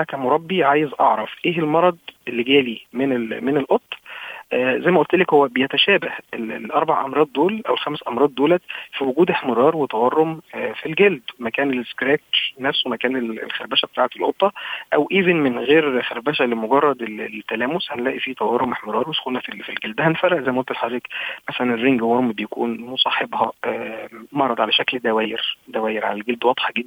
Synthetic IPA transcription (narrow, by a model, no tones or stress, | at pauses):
ækæːmoɾˤɑbːiʕaːjezʔɑ̰ʕɾˤɑfʔeːhelmɑɾˤɑd̪ˤʔelːeɡæːlimenelmenelʔot̪ˤːʔzæjːmæʔolt̪lekhowːæbejæt̪æʃæːbæhʔel̰lʔɑɾˤbaʕʔɑmɾˤɑːd̪̚ˤːoːlʔæwelxæmsʔɑmɾˤɑːd̪̚ˤːoːlæfiwoɡuːd̪ʔeħmeɾˤɑːɾˤwet̪ɑwɑrˤːomfilɡeld̪mækæːneleskɾæːknæfswemækæːnelḛlxæɾbæːʃæbet̪aːʕet̪elʔot̪ˤːɑʔæwʔiːvenmenɣeːɾxæɾbæːʃælemoɡɑrˤːɑd̪elet̪ːælæːmoshænlæːʔifiːt̪ɑwɑrˤːomʔeħmeɾˤɑːɾˤwesxulnæfilfilɡeld̪æhænfæɾˤɑʔzæjmæʔolt̪elħɑdɾiːqmæsælænerːiŋɡwɑɾˤmibejækṵːnmosˤɑːħebhɑʔæmɑɾˤːɑd̪ˤʕalæʃækld̪æwæːjeɾd̪æwæːjeɾʕa̰lælɡeld̪wɑd̪ˤħɑɡed̪ːæ